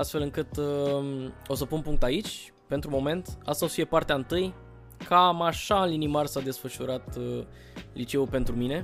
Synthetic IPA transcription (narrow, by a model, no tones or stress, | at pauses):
ast̪fe̞lɨŋkɨt̪ | o̞səpunpuŋk̚t̪ait͡ʃʲ | pe̞nt̪ɾumo̞me̞nt̪a̰st̪asfie̞part̪eaɨnt̪ɨj | kʰamaʃaɨnlinimarsad̪e̞sfəʃuɾat̪ | lit͡ʃe̞upe̞nt̪ɾumine̞